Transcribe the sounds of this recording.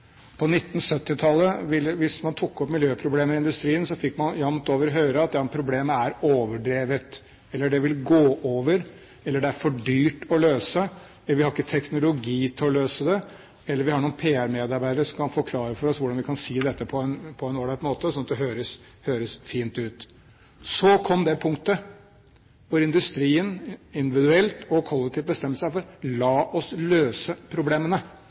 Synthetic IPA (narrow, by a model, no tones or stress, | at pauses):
pʰɔnɪt̪ːnsœt̪ːɪt̪ʰɑlːəʋɪləʋɪsmɑnt̪ʰʊkːɔpmɪljøːpʰɾʊbleːməɾɪnd̪ʉst̪ɾiːənsɔfɪkːmɑnjɑmt̪oːʋəɾɔɦøːɾəɑt̪jɑpʰɾʊbleːməæɾoːʋəɖɾeːʋət̪ | ɛlːəɖɛʋɪlɡoːʔoːʋəɾ | ɛlːəɖɛæɾfɔɖyːʈɔløːsə | ʋɪhɑɾɪkːət̪ʰɛknʊlʊɡiːt̪ʰɪlɔløːsəd̪ɛ | ɛlːəɾʋɪhɑɳuːnpʰeːæɾmeːd̪ɑɾbæɪd̪əɾəʂɔmkʰɑnfɔɾkʰlɑːɾəfɔɾɔsʋʊɖɑnʋɪkʰɑnsiːd̪ɛt̪ːəpʰɔɛnpʰɔɛnoːɖ̪ɑt̪moːt̪əsɔnːɑt̪d̪ɛɦøːɾəs | høːɾəsfiːnt̪ʉːt̪ | sɔkʰɔmd̪ɛpʰʊŋkt̪ə | ʋʊɾɪnd̪ʉst̪ɾiːənɪnd̪ɪʋɪd̪ʉɛlt̪ʰɔkʰɔlːɛk̚t̪ʰɪːt̪bəst̪ɛmːəlsəæɾfɔɾlɑːʔɔsløːsəpʰɾʊbleːmənə